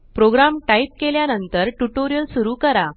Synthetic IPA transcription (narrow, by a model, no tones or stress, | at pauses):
pɾoɡɾamʈaip̚keljanənt̪əɾʈuʈoɾijəlsuɾuːkəɾa